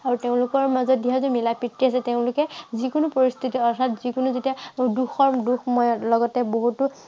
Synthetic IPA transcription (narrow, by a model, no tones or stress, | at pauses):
aɹuteʊ̃lʊkɔɹmazɔt̚diɦazumilapitɹiasɛteʊ̃lʊkɛzikʊnupoɹist̪ʰitiɔtʰatzikunuzetiaduxɔɹmduxmɔjɔlɔɡɔtɛboɦutʊ